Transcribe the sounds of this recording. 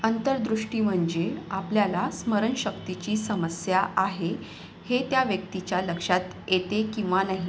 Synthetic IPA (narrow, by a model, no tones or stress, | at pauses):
ənt̪əɾd̪ɾuʂʈiːm̤əɳd͡ʑeapljalasməɾəɳɕək̚t̪it͡ɕiːsəməsjaʔaɦe | het̪jaʋjək̚t̪it͡ɕjaləkʂat̪ | jet̪ekĩw̃ʋanaɦi